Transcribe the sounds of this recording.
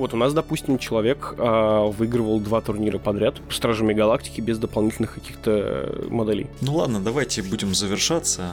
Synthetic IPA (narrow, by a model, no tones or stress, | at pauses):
vo̞t̪ʊnasd̪ɐpusʲtʲɪmt͡ɕɪlˠɐvʲe̞kavɨiɡɾəvəlˠd̪vat̪ʊrnʲiɾəpɐd̪ɾʲat̪st̪ɾaʐɨmʲɪɡɐlˠak̚tʲɪ̥kʲɪbʲɪzd̪əpɐlˠnʲitʲɪlʲnɨxkɐkʲixt̪ə̰mɐd̪ɛlʲḛjnulˠad̪nəd̪ɐvajtʲɪbudʲɪmzəvʲɪrʂat̪sə